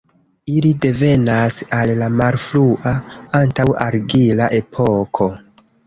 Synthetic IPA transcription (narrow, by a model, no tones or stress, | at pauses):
ilide̞ve̞nasalːamaɾfluʔaantawa̰ɾɡilaʔe̞pʰo̞kʰo̞